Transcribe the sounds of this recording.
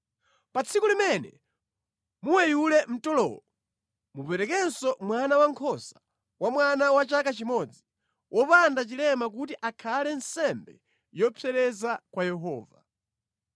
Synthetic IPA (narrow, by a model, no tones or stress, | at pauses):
pat͡sʰikulimɛnɛ | muwɛjulɛm̩tɔlɔ̰ɔ | mupɛɾɛkɛnsɔmwanawaŋkʰɔsḁ | wamwanawat͡ʃakat͡ʃimɔd͡zi | wʔɔpandat͡ʃilɛmak̬utiʔakʰalɛnsɛmbɛ | jɔpʰɛɾɛzakwajɛɦɔːva